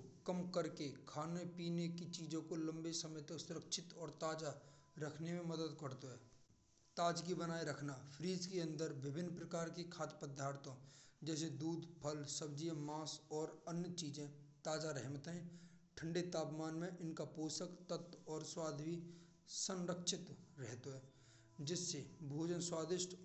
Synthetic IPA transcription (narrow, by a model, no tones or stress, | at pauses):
kəmkəɾkekʰaːnepiːnekit͡ʃiːd͡ʒõkolə̃mbesəməjt̪əksʊɾəkʃʰɪt̪ɔːɾt̪aːd͡ʒa | ɾəkʰnemẽməd̪əd̪kəɾt̪oɦɛː | t̪aːd͡ʒkibənaːeɾəkʰnapʰɾiːd͡ʒkeə̃nd̪əɾʋɪbʱɪnːpɾəkaːɾkekʰaːt̪pəd̪ʱːaːɾt̪õd͡ʒɛːsed̪uːd̪pʰəlsəbd͡ʒijə̃maːsɔːɾənjət͡ʃiːd͡ʒẽt̪aːd͡ʒaɾɛɦmət̪ɦɛ̃ː | ʈʰə̃ɳɖet̪aːpmaːnmẽʔɪnkapoːsəkt̪ət̪ːɔːɾswaːd̪ʱwi | sə̃nɾəkʃʰɪt̪ɾɛɦt̪oɦɛː | d͡ʒɪsːebʱoːd͡ʒənswaːd̪ɪʃʈ